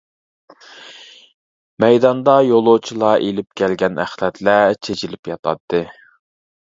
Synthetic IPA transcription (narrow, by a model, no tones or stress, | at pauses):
mɛjd̪ɑnd̪ɑjolˠot͡ʃʰilˠɑʔelɪp̚kʲʰɛlɡʲɛnæ̰χlɛt̪læt͡ʃʰet͡ʃʰilɪpjɑt̪ʰɑ̰t̪ːɨ